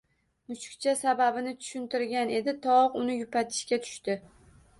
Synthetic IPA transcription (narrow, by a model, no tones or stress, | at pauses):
mʊt͡ʃkʲt͡ʃʰasababɪnɪt̪ʰʊ̥ʃɪnt̪ɪɾɡʲane̞d̪ɪt̪ʰɒqʊnɪjʊpʰat̪ʰɪ̥ʃkʲat̪ʰʊ̥ʃt̪ɪ